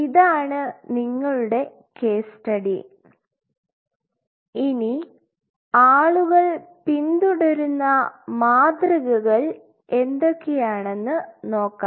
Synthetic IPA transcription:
iðaːɳɨniŋːɐɭuɽe̞ | ke̞ːsʈɐɽi | ini | aːɭuɣɐɭpind̪uɽɐɾunːɐmaːd̪rɐɣɐɣɐɭ | e̞nd̪okːejaːɳe̞nːɨno̞ːkːaːm

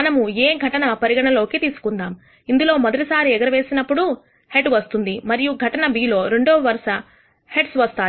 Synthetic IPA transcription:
ɐnɐmueːɡʱɐʈɐnɐpɐɾiɡɐɳɐlo̞ːkit̪iːsu̥kund̪aːm | ind̪ulo̞ːmɔd̪ɐʈisaːɾiɛɡɐɾɐʋe̞ːsinɐpːuɽu | heʈʋɐst̪und̪imɐɾijuɡʱɐʈɐnɐbiːlo̞ːɾe̞ɳɖoːʋɐɾɐʂɐ | heʈsʋɐst̪aː

